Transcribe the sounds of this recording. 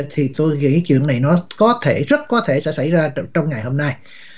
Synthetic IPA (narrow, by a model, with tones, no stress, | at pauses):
t̪ʰi˨˩t̪o˧jŋḭ˧˥t͡ɕwḭ˧˨əna˨˩jnɔ˨˦kɔ˨˦t̪ʰe˧˩zə˦˥t̚kɔ˨˦t̪ʰe˧˩sɛ̰˧˥sa̰˧˩jzaː˧t͡ɕɔ˧wŋ͡mŋa˨˩jho˧mna˧j